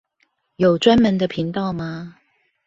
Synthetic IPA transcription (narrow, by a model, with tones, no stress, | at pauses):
jo˨˩ʊʈ͡ʂwa˥nmə˧˥nd̪ə˧pʰi˨˥ŋt̪ɑ˥˧ʊma˨